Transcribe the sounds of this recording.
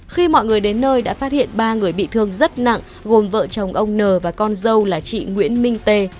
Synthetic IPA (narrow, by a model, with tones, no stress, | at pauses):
xi˧mɔ̰˧˨jŋɨ˨˩əjɗe˨˦nːəː˧jɗa̰ː˧˥faː˦˥t̚hḭ˧˨ənɓaː˧ŋɨ˨˩əjɓḭ˧˨t̪ʰɨ˧əŋzə˦˥t̚na̰˧˨ŋ | ɣo˨˩mvə̰ː˧˨t͡ɕə˨˩wŋ͡mʔə˧wŋ͡mnəː˨˩vaː˨˩kɔ˧nzə˧wlaː˨˩t͡ɕḭ˧˨ŋwḭ˧˥ənmï˧ŋ̟t̪e˧˩